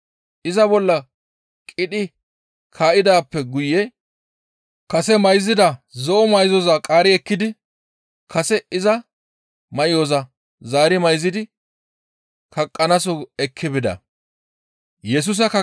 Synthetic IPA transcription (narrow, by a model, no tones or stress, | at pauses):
ʔɪzɐbɔlːɐ | kʼɪɗɪ | kʰaːʔɪd̪aːpːɛɡʊjːɛ | kɐsɛmɐjzɪd̪ɐzɔʔɔmɐjzɔzakʼaːɾɪɛkːɪd̪ɪ | kʰɐsɛɪzɐ | mɐjɔzɐ | zaːɾɪmɐjzɪd̪ɪ | kʰɐkʼːɐnɐsɔɛkʰːɪbɪd̪ɐ̰ | jɛs̬ʊs̬ɐkɐ